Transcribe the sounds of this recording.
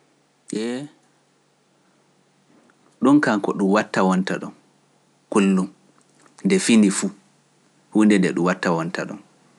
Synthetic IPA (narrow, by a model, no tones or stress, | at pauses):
ʔɛ | ɗɔnkaŋkɔɗumwatːawɔntaɗɔm | kulːum | ndɛfinifu | hundɛndɛɗumwatːawɔntaɗɔ̰n